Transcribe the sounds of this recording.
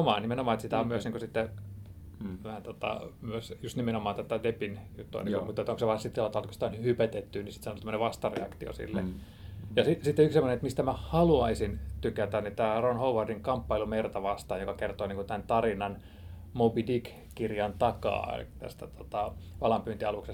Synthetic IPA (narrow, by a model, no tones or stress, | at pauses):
omɑːnimenomɑːet̪sit̪æommyøsniːŋkosit̪ːe | æhænt̪ot̪ɑ̰myøsjust̪nimenomɑːt̪ot̪ɑdepinjut̪ːuɑ̰nḭkumut̪ːet̪oŋkseʋɑːnsit̪ːlɑt̪ɑlt̪kosi̥t̪æonhypæt̪et̪ːynisit̪sɑnot̪æmːəneʋɑst̪ɑrḛɑ̰kt̪io̰sḭlːḛ | jɑsisit̪ːeyksemːonet̪mist̪æmæhɑluɑisint̪ykæt̪ænit̪æːronhouʋɑrdiŋkɑmpːɑilumert̪ɑʋɑst̪ɑːjokɑkert̪oːniːŋkut̪ænt̪ɑrinɑn | mobidik | kirjɑnt̪ɑkɑ̰ːt̪æ̰st̪æt̪ot̪ɑʋɑlɑmpyːt̪iɑlukse